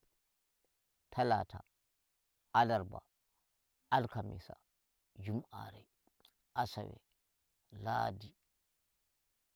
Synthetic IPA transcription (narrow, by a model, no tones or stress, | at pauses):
tʰalatʰa | ʔalaɾba̰ | ʔalkamḭsa̰ | d͡ʒumʔa̰ɾɛ | ʔasawɛ̰ | laːdi